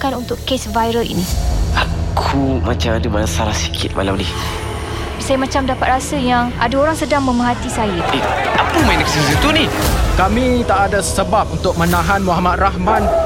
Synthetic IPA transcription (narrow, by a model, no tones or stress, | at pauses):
kanunt̪ʊʔkesvajɾəlḭniakʰumat͡ʃamadəmanasaɾahsi̥kʰɪ̰t̪̚ma̰lamnɪh | sajəmat͡ʃamdapat̪̚ɾasəjaŋʔa̰daoɾaŋsədaŋmə̃məɦat̪isajəapəmainaksiisit̪unihkamĩt̪aʔadasəbap̚unt̪ʊk̚mə̃nãɦanmuɦamat̪̚rahman